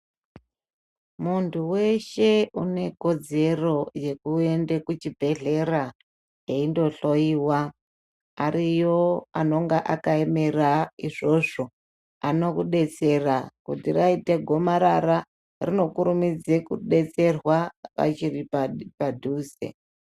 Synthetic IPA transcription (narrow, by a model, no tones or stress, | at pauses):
muntʰuwe̞ʃe̞une̞ko̞d͡ze̞ro̞je̞kue̞ndekut͡ʃibʱe̞ɮe̞ra | jeindo̞ɬo̞iːwa | arijoano̞ŋɡaʔakaeme̞raiʐo̞ʐo̞ | ano̞kuɗe̞t͡se̞rakutiraiteɡʱo̞maɾara | rino̞kuɾumid͡zekuɗe̞t͡se̞rwaʋa̰t͡ʃiripadʱuːzḛ